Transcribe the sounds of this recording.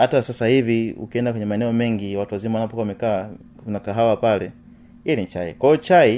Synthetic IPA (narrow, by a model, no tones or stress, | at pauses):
hatasasahiviṵkiɛndakwɛɲɛmaɛnɛɔmɛŋɡiwatuwazimawanapɔkwamɛka | unakaɦawapalɛ | ilit͡ʃaḭkwaijɔt͡ʃai